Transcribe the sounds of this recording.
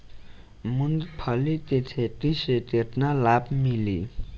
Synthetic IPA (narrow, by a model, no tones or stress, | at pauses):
mund̪pʰalit̪etʰeʈ͡ʂiɕet̪ernalap̚mili